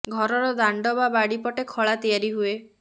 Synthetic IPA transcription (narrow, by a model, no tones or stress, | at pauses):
ɡʱɔɾɔɾɔd̪aɳɖɔbabaɽipɔʈekʰɔɭat̪ijaɾiɦue